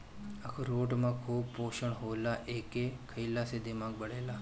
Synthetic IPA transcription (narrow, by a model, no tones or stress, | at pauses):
akʰɾoʈmãkʰuːb̚poʃəɳɦolaʔekekʰəilased̪imãɡ̚bəɽela